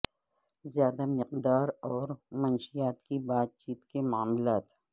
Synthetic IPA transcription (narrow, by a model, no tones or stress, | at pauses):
zjaːd̪amɪqd̪aːɾɔːɾmɐnʃijaːt̪kibaːd̪̚t͡ʃiːt̪kemaːmlaːt̪